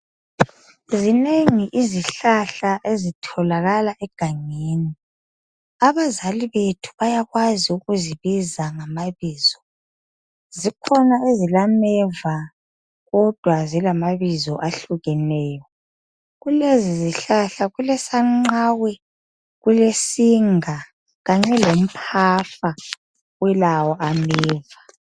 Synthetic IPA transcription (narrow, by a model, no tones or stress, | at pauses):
zineŋiʔiziɬaɬaʔezitʰɔlaɣalaʔɛɡ̥ʱaŋeːni | aβazaliβetʰu̥βajaɣwaziuɣuziβizaŋamaβiːz̥ɔ | zikʰɔnaezilamɛva | ɣɔd̥ʱwazilamaβizɔʔaɬuɣɛnɛːjɔ | ɣuleziziɬaɬaɣulɛsaŋ͡ǃaːwɛ | ɣulesiŋa | ɣaŋ͡ǀɛlom̩pʰafa | wɛlawɔʔamɛːva